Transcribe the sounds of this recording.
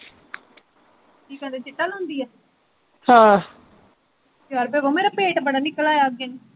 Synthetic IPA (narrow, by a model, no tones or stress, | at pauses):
ʈʰiːkɛ̃d̪et͡ʃɪʈːəlɦʊ̃nd̪iːɛː | hãː | kaɾbeːboːmeːɾapeːʈbəɽaːnɪkːəlaːjaɡen